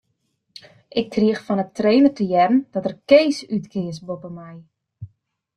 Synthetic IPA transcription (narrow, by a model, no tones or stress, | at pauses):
ʔɪk̚kʰriəxfɔnətreːnərtəjɛrən̩d̥ɔtərkeːsytkʰɪəs̬bopəmɛj